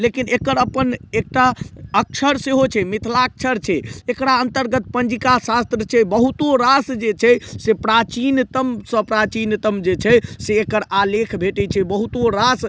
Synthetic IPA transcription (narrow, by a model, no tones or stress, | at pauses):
lekinekəɾəpənek̚ʈaək̚t͡ʃʰəɾseɦot͡ʃʰɛmit̪ʰlak̚t͡ʃʰəɾt͡ʃʰɛekɾaənt̪əɾɡət̪̚pənd͡ʒikasast̪ɾət͡ʃʰɛbəɦut̪oɾasd͡ʒet͡ʃʰɛsepɾat͡ʃint̪əmsə̃pɾat͡ʃint̪əmd͡ʒet͡ʃʰɛseːkəɾalekʰbʱeʈɛt͡ʃʰɛbəɦut̪oɾas